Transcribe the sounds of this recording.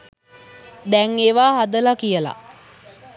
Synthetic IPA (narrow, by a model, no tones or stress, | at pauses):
d̪ɛŋeːʋaːɦad̪əlakijəla̰